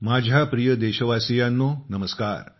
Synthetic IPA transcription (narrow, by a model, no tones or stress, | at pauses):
maːd͡ʑʱjapɾijəd̪eɕəʋasijanːonəməska̰ːɾ